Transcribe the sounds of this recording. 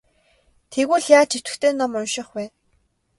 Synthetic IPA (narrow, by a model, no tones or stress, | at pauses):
t̪ʰeɣuːɮjaːt͡ɕʰe̥t̪ɘ̆kt̪ʰeːnɔmʊnʃɪ̆χpæː